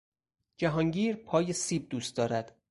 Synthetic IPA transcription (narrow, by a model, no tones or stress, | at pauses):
d͡ʒæɦɒːŋɟiːɾpʰɒːjesiːb̚d̪uːst̪̚d̪ɒːɾæd̪̥